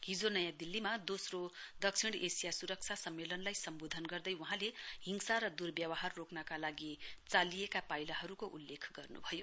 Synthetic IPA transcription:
ɦid͡zonʌjãd̪ilːimad̪osrod̪ʌksʰiɽ̃esijasuɾʌk̚t͡sʰasʌmːelʌnlajsʌmbod̪ʱʌnɡʌrd̪ʌjwuɦãleɦiŋsaɾʌd̪urbjʌwʌɦarːoknʌkalaɡit͡salijekapajlaɦʌɾukoʔulːekʰɡʌrnṵbʱʌjo

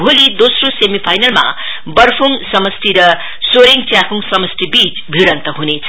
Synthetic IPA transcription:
bʱolid̪osrosemipʰajnʌlma̰ | bʌɾpʰuŋsʌmʌst̪iɾʌ | soɾiŋt͡sjakuŋsʌmʌst̪ibit͡sbʱiɽʌnt̪ʌɦunet͡sʰʌ

